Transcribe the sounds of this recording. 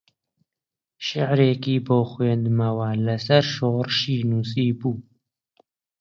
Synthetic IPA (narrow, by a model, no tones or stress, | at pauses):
ʃɪʕɾeːkiːboːxweːnd̪mɐwalɐsɐɾʃoːɾʃiːnuːs̬iːbuː